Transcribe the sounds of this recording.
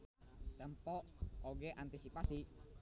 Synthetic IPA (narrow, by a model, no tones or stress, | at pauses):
t̪ɛmpɔʔoɡɛʔant̪isipasi